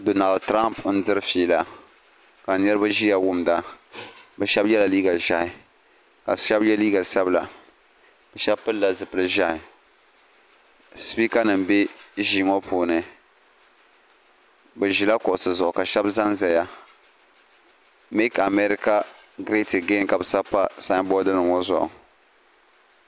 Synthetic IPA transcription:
do˨na˨ldtɾa˦mpn̩˦dɨ˦ɾɨ˦fiː˨la˨ | ka˨nɛ˦ɾɨ˦ba˦ʒi˦ja˦wʊ˦mda˨ | bɛ˨ʃɛ˦bjɛ˦la˨liː˦ɡa˨ʒa˦hɪ˨ | ka˨ʃɛ˦bjɛ˦liː˦ɡa˨ʃɛ˦bla˨ | b̥ɛ˨ʃɛ˦bpɨ˦lːa˨zɨ˨pɨ˨lɨ˦ʒa˦hɪ˨ | spi˦ka˦nɨ˨m˨bɛ˦ʒiː˨ŋɔ˦pʰuː˨nɨ˨ | bɛ˨ʒi˨la˦kʊ˨ʔʊ˨sɨ˨zʊ˨ʔʊ˨ka˨ʃɛ˦bza˦nzɛ˨ja˦ | mi˦ka˨mɛ˦ɾi˦ka˦ | ɡɾe˦tɨ˨ɡe˦ka˨bɨ˨sa˦pa˦sa˦ŋ˦bɔ˦dɨ˦nɨ˨ŋɔ˦zʊ̰˨ʔʊ̰˨

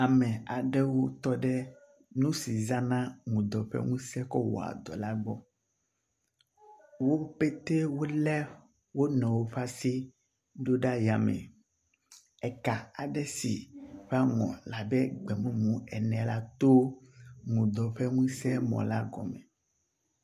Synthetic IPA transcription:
a˨mɛ̃˨a˨ɖɛ˦wo˦t̪ɔ˦ɖɛ˦ | nũ˦si˨zã˦nã˦ŋũ˨d̪ɔ˨ɸɛ̰˦ŋũ˦sɛ˦kɔ˦wɔ̰˨a̰˨d̪ɔ˨la˦ɡ͡bɔ˦ | wo˦pe˦t̪e˦wo˦lɛ˦ | wo˦nɛ̃˨wo˦ɸa˦si˦ | ɖo˦ɖa˦ja˨mɛ̰̃˨ | ɛ˨ka˨a˨ɖɛ˦si˨ɸɛ˦a˦ŋɔ̰̃˨la˨bɛ˦ɡ͡bɛ˨mũ˦mũ˨ɛ˨nɛ̃˨la˦t̪o˦ŋũ˨d̪ɔ˨ɸɛ˦ŋũ˦sɛ˦mɔ̰̃˨la˦ɡɔ̰˨mɛ̰̃˨

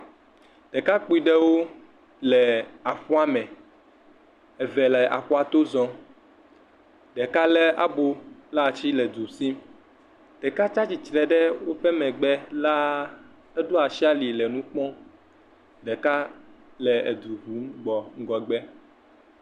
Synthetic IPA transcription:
ɖ̥ɛ˨ka˦k͡pu˦i˨ɖɛ˦wo˦ | lɛ˨a˨ɸɔ˦a˦mɛ̃˨ | ɛ˨vɛ˨lɛ˨ʔa̰˨xɔ˦a˨t̪o˦zɔ̃˦ | ɖɛ˨ka˦lɛ˦a̰˨bo˦la˦˨t͡ɕi˦lɛ˨d̪u˨si˦m | ɖ̥ɛ˨ka˦t͡ʃa˦t͡ɕi˨t͡ʃɾɛ˨ɖɛ˦wo˦ɸɛ˦mɛ̃˨ɡ͡bɛ˦la˦ | ɛ˦ɖo˦a˨ʃi˦a˦li˨lɛ˨nũ˦k͡pɔ̃˦ | ɖɛ˨ka˦ | lɛ˨e˨d̪u˨ɦu˨˦mɡ͡bɔ˨ŋ̩˦ɡɔ˨ɡ͡bɛ˦

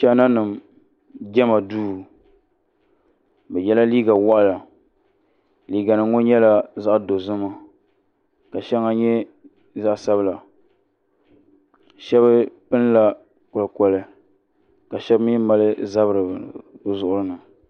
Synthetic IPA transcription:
ʃɛ˦na˦nɨ˨m | ɡɛ˦ma˨duː˦˨ | bɛ˨jɛ˦la˦liː˦ɡa˨wa˦ʔa˨la˨ | liː˨ɡa˨nɨ˨ŋo˦ɲɛ˦la˦za˦ʔdo˨zɨ˦ma˦ | ka˨ʃɛ˦ŋa˦ɲɛ˦ | za˦ʔsa˦bɨ˦la˨ | ʃɛ˦βɨ˦pɨ˦n˦la˨ | kɔ˨lkɔ˨lɨ˦ | ka˨ʃɛ˦bmi˦ma˦lɨ˦za˦bɾɨ˨bɨ˦zʊ˦ʔʊ˦ɾɨ˦nɨ˨

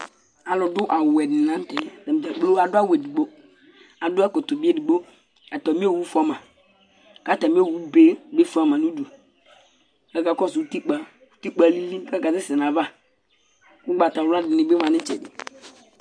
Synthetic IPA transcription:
a˨lɔ˨dʊ˦ʔa˨wɛ˨dɪ˨nã˨˦n˦tɛ˨ta˨m˨d͡ʒa˨k͡plo˦a˨dʊ˦a˦we˨di˨ɡ͡bo˦ | a˨dʊ˦a˦kʊ˨tʊ˨bi˦e˦di˨ɡ͡bo˦ | a˨tɔ˨mi˦o˦˨wu˦fa˦mã˨ | ka˦ta˨m˦˨wu˦be˦be˦fu˨˦a˨mã˨nu˦du˨ | ka˦ka˨kɔ˦su˨u˦ti˦k͡pa˨ | u˦ti˦k͡pa˨li˦li˦ka˦ka˨zɪ˦sɪ˨n˨a˨va˦ | kʊ˦ɡ͡ba˨ta˨wa˦dɪ˨nɪ˦be˦mã˨nɪ˦t͡ʃɛ˨dɪ̰˨

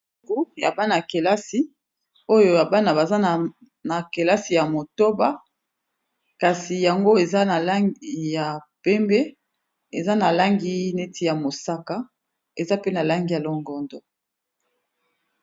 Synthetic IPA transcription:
ku˦ja̰˨ba˦na˨ke˨la˦si˦ | o˦jo˨ja˨ba˦na˨ba˨za˦n˨ | na˨ke˨la˦si˨ja˨mo˨to˦ba˦ | ka˨si˨ja˨ŋɡo˦e˨za˦na˨la˦i˦ja˨pɛ˦mbɛ˦ | e˨za˦na˨la˦ŋɡi˦ne˦tʰi˦˨ja˨mo˨sa˦ka˦ | e˨za˦pe˦na˨la˦ŋɡi˦ja˨lɔ˨ŋɡɔ˨ndɔ˨

